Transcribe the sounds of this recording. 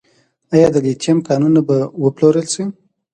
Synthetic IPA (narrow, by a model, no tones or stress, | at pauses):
ajɑd̪əɡet͡ʃjamkɑnunːabawəploɾəlsi